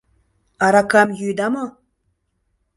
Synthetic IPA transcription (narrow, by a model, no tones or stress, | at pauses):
aɾakamjyd̪ama